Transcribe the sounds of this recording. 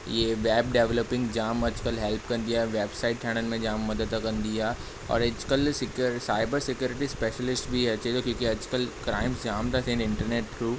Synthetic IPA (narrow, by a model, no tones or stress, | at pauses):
jeʋeːbɖeːʋləpɪ̃ŋɡd͡ʑaːmɐd͡ʒkəlɦɛlpkɐ̃nd̪ijaɦɛʋeːbsaːɪʈ̚ʈʰɛːɽ̃ənɪ̆mẽd͡ʑaːmːɐd̪əd̪akɐ̃nd̪iaː | ɔ̰ːɾɐd͡ʒkəlsɪkɾsaːɪbəɾsɪkjuːɾɪʈispeːʃəlɪsʈbʱiɐt͡ɕet̪okjõːkiɐd͡ʒkəlkɾaːɪmsd͡ʒaːmt̪ʰat̪ʰẽnɪ̃ɳʈəɾneːʈ̚kɾuːp